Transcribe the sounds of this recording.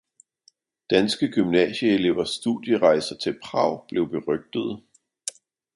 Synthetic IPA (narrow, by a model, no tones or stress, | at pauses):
d̥ænsɡ̥əɡ̥ymnɛ̰ːɕəele̝ʊɐsːd̥uðˠjəʁɑ̈ɪsɐt͡sʰe̝lpʰʁɑ̈ʊ̰b̥le̝ʊb̥e̝ʁœɡ̥̚d̥əð̞̩ˠ